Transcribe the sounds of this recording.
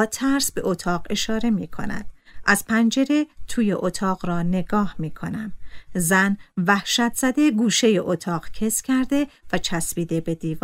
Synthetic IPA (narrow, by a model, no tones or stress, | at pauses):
t̪ʰæɾsbe̞ʔot̪ʰɒːʁe̞ʃɒːɾe̞miːkʰo̞̰næ̰d̪̥̚ʔæz̥pʰænd͡ʒe̞ɾe̞t̪ʰuːjeʔot̪ʰɒːʁɾɒːne̞ɡ̥ɒːhmiːkʰo̞næmzænvæhʃæt̪ʰz̥æd̪e̞ɡuːʃe̞je̞ʔot̪ʰɒːqcʰe̞scʰæɾd̪e̞væt͡ʃʰæsbiːd̪e̞be̞d̪iːv